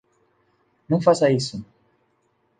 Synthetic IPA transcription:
nɐ̃w̃fasɐisʊ

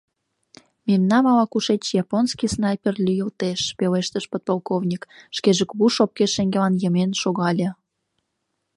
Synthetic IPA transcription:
memnɑmɑlɑkuʃet͡ɕjɑponskisnɑjperlʲyjəlt̪eʃpeleʃt̪əʃpot̪̚polˠkovnʲikʃkeʒə̆kβuʃop̚keʃeŋɡelɑnjəmenʃoɣɑlʲĕ

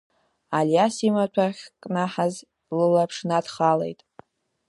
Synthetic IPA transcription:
aljasimat͡ʃʷʰaχʲkʼnaħaz | lɨlapʰʂnadχalḛjtʼ

